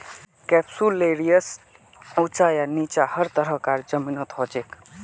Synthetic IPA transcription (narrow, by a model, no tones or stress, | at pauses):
kɛpsuleɾijəs | ut͡ʃajanit͡ʃahəɾt̪əɾəkaɾd͡ʒəminət̪ɦod͡ʒek